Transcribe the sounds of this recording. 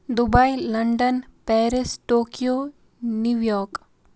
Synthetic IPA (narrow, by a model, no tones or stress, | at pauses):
d̪ubailɐɳɖənpɛːɾɪsʈoːkijoː | njuʋjɔːɾk